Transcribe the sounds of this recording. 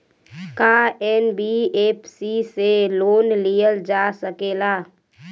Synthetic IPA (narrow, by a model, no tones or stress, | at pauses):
kaɛnbieːpsiseloːnlijəld͡ʒaːsəkeːlaː